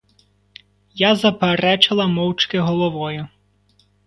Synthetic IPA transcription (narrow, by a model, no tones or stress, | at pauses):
jazɐpeɾɛt͡ʃɪlˠɐmɔwt͡ʃkɪɦɔlˠɔʋɔjʊ